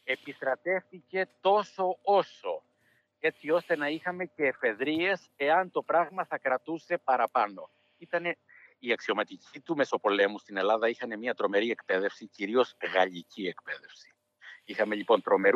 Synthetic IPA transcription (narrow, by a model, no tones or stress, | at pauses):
e̞pist̪ɾɐt̪e̞fθice̞t̪o̞so̞o̞so̞ | e̞t͡sio̞st̪e̞nɐixɐme̞ce̞ːfe̞ðɾie̞se̞ɐnt̪o̞pɾɐɣmɐθɐkɾɐt̪use̞pɐɾɐpɐno̞̰ | it̪ɐne̞ | iɐksio̞mɐt̪icit̪ume̞so̞po̞le̞must̪ine̞lɐðɐixɐne̞mɲiɐt̪ɾo̞me̞ɾie̞kpe̞ðe̞fsiciɾio̞zɣɐʎicie̞kpe̞ðe̞fsi̥ | ixɐme̞ʎipo̞nt̪ɾo̞me̞ɾ